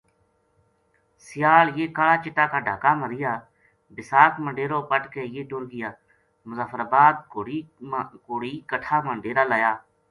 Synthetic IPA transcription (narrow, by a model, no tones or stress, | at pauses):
sɪjaːljeːkalaːt͡ʃɪʈːaːkaːɖʱaːkaːməɾɪjaː | bɪsaːkmə̃ɳɖeːɾoːpəʈkeːjeːʈʊɾɡɪjaː | mʊzaːfʰəɾaːbaːd̪̚o | koːɽiːkəʈʰaːmə̃ɳɖeːɾaːlaːjaː